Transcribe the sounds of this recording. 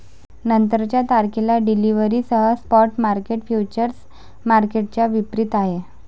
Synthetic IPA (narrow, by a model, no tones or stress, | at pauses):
nənt̪əɾət͡ɕjat̪aɾkilaɖiliʋəɾiːsəɦəspɔʈmaɾkeʈfjut͡ɕəɾs | maɾkeʈ̚t͡ɕjaʋipɾit̪aɦe